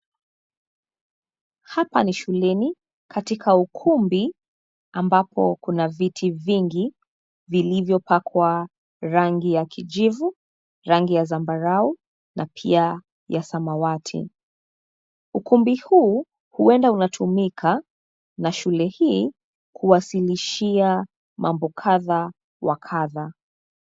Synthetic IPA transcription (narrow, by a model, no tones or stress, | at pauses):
hapaniʃulɛni | kʰatikʰaukʰumbi | ambapʰɔ̰kunavitʰiviŋɡi | vilivjɔpakʰwa | ɾaŋɡijakʰid͡ʒivu | ɾaŋɡijazambaɾau | nʔapʰḭa | jasamawatʰḭ | ukumbihuː | huɛndaunatʰumikʰa | naʃulɛhiː | kʰuwasiliʃia | mʔambɔkʰaða | wakʰaða